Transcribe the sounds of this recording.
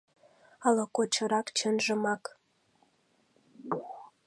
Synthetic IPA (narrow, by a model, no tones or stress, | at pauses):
ɑlŏkot͡ɕɤ̆ɾɑkt͡ɕə̆nʒə̆mɑk